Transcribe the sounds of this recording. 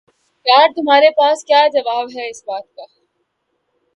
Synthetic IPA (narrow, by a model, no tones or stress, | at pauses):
kaːɾ̚t̪ʊmaːɾepaːskjaːd͡ʒɐʋaːbɦɛɪsbaːt̪̚kaː